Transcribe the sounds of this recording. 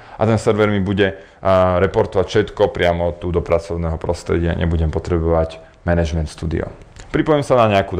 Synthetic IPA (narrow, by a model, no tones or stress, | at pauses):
ʔat̪ɛnsɛɾʋɛɾmibuɟɛ | ɾɛpɔɾt̪ɔʋacfʃɛt̪kɔpɾɪamɔt̪ud̪ɔpɾat͡sɔʊnɛːɦɔpɾɔst̪ɾɛ̰ɟɪa̰ɲʔɛ̰buɟɛmpɔt̪ɾɛbɔʋaɟ | mɛnɛʒmɛnt̪st̪uːd̪ḭɔ̰ | pɾipɔjɛmsanaɲɛaku